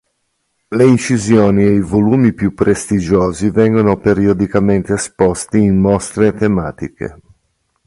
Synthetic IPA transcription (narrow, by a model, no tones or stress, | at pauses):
leint͡ʃizjoːniejvoluːmipjupːɾʔest̪id͡ʒoːzivɛŋɡonopeɾiod̪ikament̪eːspɔst̪iːnmɔst̪ɾet̪ema̰ːt̪ikḛ